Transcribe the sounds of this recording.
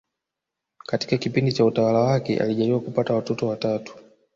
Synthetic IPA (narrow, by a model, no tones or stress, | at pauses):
kati̥kakipindit͡ʃautawalawakɛ̰ʔa̰liʄaɾiwakupatawatɔtɔwatatu̥